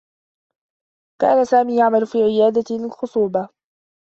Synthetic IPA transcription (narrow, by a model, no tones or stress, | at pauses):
ka̰ːnasaːmiːjaʕmalʊfiːʕɪjaːd̪alxʊsˤuːba